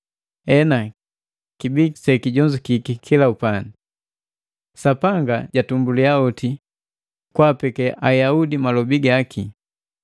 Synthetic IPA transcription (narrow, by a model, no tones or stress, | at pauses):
ɛna | kibisɛkiɟɔɲd͡ʒukikikʰilaupani | sapaŋɡaɟatumbuliaɔti | kwapɛkɛʔajaudimalɔbiɡakʰi